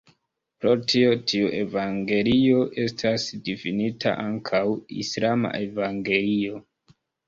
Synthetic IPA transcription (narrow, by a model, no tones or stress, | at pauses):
pɾo̞tʰio̞tʰiuʔe̞vaŋɡe̞lio̞ʔe̞stʰasdifinitʰa̰ʔaŋkʰawḭslama̰ʔevaŋɡe̞lio̞